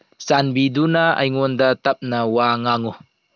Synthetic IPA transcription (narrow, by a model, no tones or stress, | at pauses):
sanbid̪unaɐ̰jŋund̪at̪ɐp̚nawaːŋaŋu